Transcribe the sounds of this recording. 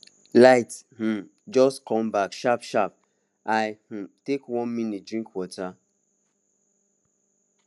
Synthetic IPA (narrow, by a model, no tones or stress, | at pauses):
laɪth̩ | d͡ʒɔstkʰɔ̃mbakʃapʃap̚ | aɪtekwɔ̃nminit̚dɹĩŋkwɔtʰa